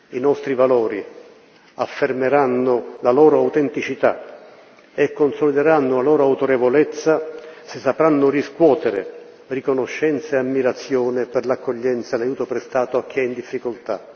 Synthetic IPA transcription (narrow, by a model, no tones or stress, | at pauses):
inɔst̪ɾivalɔːɾi | afːermeɾanːʊlalɔːɾʊawt̪ɛnt̪it͡ʃit̪a̰ | ekːonsolid̪eɾanːʊlalɔːɾoawt̪oɾevolɛt̪sːasɪsːapɾanːʊriskwɔːt̪eɾɪ̰ | rikonoʃːɛnt̪saamːiɾat̪sːjɔːnɪpɪrlakːoʎːɛnt̪salajuːt̪opɾest̪aːt̪oakʰːɛind̪ifːikʊlt̪a̰